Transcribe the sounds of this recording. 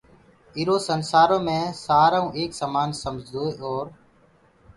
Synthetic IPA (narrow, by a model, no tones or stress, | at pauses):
ɪɾoːsənsaːɾõːmẽːsaːɾaːũːʔeːksaːmaːnsəmd͡ʒʱd̪oːeʔoːɾ